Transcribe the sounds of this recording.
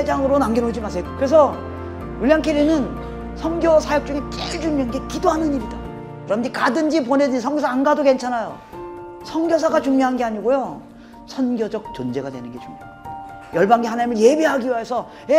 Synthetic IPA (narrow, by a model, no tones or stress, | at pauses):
ed͡ʑaŋɯɾonaŋɡʌnod͡ʑimasʰejokɯɾe̞s̬ʰʌ | juʎjaŋkʰeɾːinɯn | sʰʌnɡjʌsʰajʌk̚t͡ɕ͈uŋek͈eɭd͡ʑuŋɲoanɡe̞kidoɦanɯɲiɾida | kɯɾʌmdikadɯnd͡ʑip̬one̞dɯsʰʌŋɡjos̬ʰaːnɡadoke̞nt͡ɕʰanajo̰ | sʰʌnɡjʌs̬ʰaɡat͡ɕuŋɲoɦanɡe̞aɲiɡojo | sʰʌnɡʲjʌd͡ʑʌk̚t͡ɕond͡ʑe̞ɡadwenɯnɡe̞t͡ɕuŋɲo | jʌɭbaŋɡiɦanaɲimɯɭje̞biɦaɡiiaesʰʌ | e